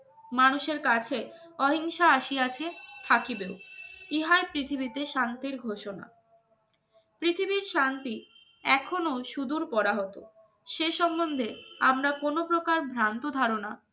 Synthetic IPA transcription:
manuʃeɾkat͡ɕʰeɔɦiŋʃaaʃiat͡ɕʰet̪ʰakibeoiɦaepɾit̪ʰibit̪eʃant̪iɾɡʱoʃona̰ | pɾit̪ʰibiɾʃant̪i | ɛkʰonoʃud̪uɾpɔɾaɦɔt̪o̰ | ʃeʃɔmbond̪ʱeamɾakonopɾokaɾbʱɾant̪od̪ʱaɾona

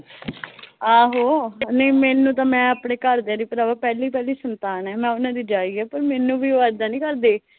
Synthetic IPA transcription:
aːɦoːnə̃ĩmɛːnũːt̪̬ãːmɛ̃ːaːpɳeːkəɾd̪ãːd̪iːpəɾaːʋaːpɛːliːpɛːliːsənt̪aːnɛːmɛ̃ːʊnãːd̪iːd͡ʒaːiːɛːpəɾmɛːnũːbiːoəɾd̪aːnĩːkəɾd̪eː

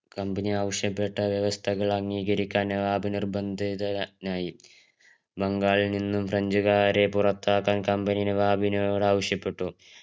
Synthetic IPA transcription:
kɐmbɐniaːʋɐʂjɐpːe̞ʈːɐʋjɐʋɐst̪ʰɐɣɐɭɐŋːiːɣɐɾikʲːaːnjɐʋaːbinirbɐnd̪ʱiðɐnaːji | bɐŋɡaːɭininːumfrɐɲd͡ʑuɣaːɾe̞purɐt̪ːaːkːaːnkɐmbɐnijnɐʋaːbinoːɽaːʋɐʂjɐpːe̞ʈːu

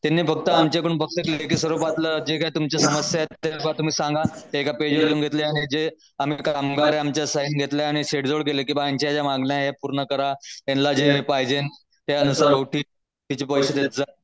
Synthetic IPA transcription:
t̪anːiːfək̚t̪əamt͡ɕekuɳpəkʂəkleek̬iːsʋəɾupat̪ləd͡ʑekait̪umt͡ɕasəməsjat̪ːekat̪um̤iːsãŋɡat̪eekaped͡ʑʋaɾiunɡʱet̪leaɽ̃id͡ʑe | am̤iːkamɡaɾeamt͡ɕjasainɡʱet̪leaɽ̃iɕeʈd͡zoɽɡelekĩʋajaɲt͡ɕajad͡ʑamaɡljaɦepuɾɳəkəɾajenlad͡ʑeɦpajd͡ʑen | t̪aənusaɾowʈʰiː | t̪it͡ɕiːpɔjɕət̪et̪d͡za

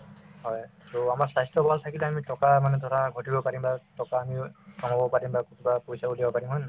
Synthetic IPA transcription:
hɔjtɔamaɹsajstɔbʱaltʰakilɛamitɔkamanɛtɔtʰaɡʱɔtibɔpaɹimbatɔkaːmidɔmɔbɔpaɹimbakutʰubapoisauliabɔpaɹimɦɔjna

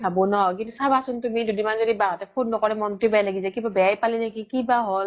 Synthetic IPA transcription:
bʱabɔnɔk̬intusabasʊntumidudimanzodibaŋatɛpʰonːɔkɔɹɛmɔntubɛajlaɡisakibabɛjajpalɛnekikibaɦol

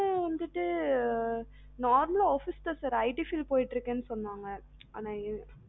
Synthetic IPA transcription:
ɐʋɐnd̪ɯʈːɯ | naːɾmɐloːfɪst̪ɐsɐɾɐɪʈifɪlpoːjɪʈːɪɾɯkːeːnːɯsɔnːaːŋɡɐ | a̰ːnãː

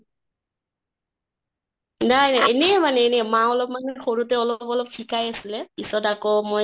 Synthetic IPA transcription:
najnajenɛmanɛːnɛmaɔlɔpmanxoɹutɛɔlɔpɔlɔp̚xʰikajasilɛpisɔtakomɔj

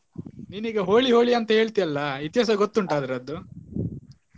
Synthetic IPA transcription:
niːniːɡɐɦoːɭiɦo̞ːɭiɐnt̪ɐɦe̞ːɭt̪ijɐlːɐit̪jɐs̬ɐɡot̪ːuɳʈaːd̪ɐɾɐd̪ːu

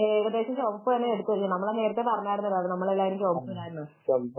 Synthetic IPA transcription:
eːiɾɐd̪e̞ːɕɐmt͡ɕoːmipːoenːeeɽuk̪ːuʋɐɾikːunɐmːɐɭene̞ːɾɐt̪ːepɐrɐɲːaːjɽunːɐðɐðɨnɐmːɐɭelːaːiɾɐmt͡ɕoːmpːuiɾaːjɾunːɨ | ɐm

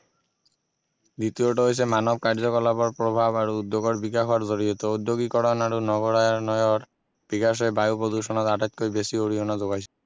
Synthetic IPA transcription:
d̪it̪ioʈoojɕʰemanob̚kaɾd͡ʑokɔlapoɾpɾobʱabaɾuud̪ːoɡoɾbiɡakʰoaɾd͡ʑoɽiet̪oud̪ːoɡikɔɽonaɾunɔɡoɾaaɾnɔjoɾ | b̥iɡaʃ̬ebajupɾod̪uʃɔnat̪aʈat̪̚koibeʃioɽionad͡ʑoɡajʰe̥

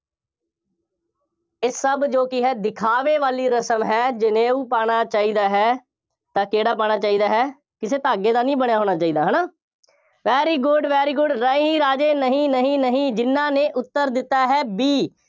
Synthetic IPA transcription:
ɪsːəbd͡ʒoːkɪɦɛːd̪ɪkʰaːʋeːʋaːliːɾəsəmɦɛːd͡ʒɪnẽːuːpaːɽaːt͡ʃaːiːd̪aːɦɛː | t̪ãːkeːɽaːpaːɽ̃aːt͡ʃaːiːd̪aːɦɛː | kɪseːt̪aːɡeːd̪aːnĩːbəɳjaːɦoːɽ̃aːt͡ʃaːiːd̪aːɦənaː | ʋɛːɾiːɡʊɖʋɛːɾiːɡʊɖɾə̃ːɦĩːɾaːd͡ʒeːnəɦĩːnəɦĩːnəɦĩːd͡ʒɪnːãːneːʔʊt̪ːəɾd̪ɪt̪ːaːɦɛːbiː

